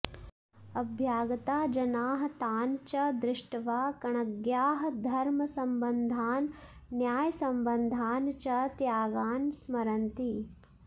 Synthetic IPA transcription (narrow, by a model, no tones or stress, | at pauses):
ɐbʱjaːɡɐt̪aːd͡ʒɐnaːɦɐt̪aːnt͡ʃɐd̪ɾɪʂʈɐʋaːkɐɳɐɡjaːɦɐd̪ʱɐɾmɐsɐmbɐnd̪ʱaːnː | jaːjsɐmbɐnd̪ʱaːnt͡ʃɐt̪jaːɡaːnsmɐɾɐnt̪i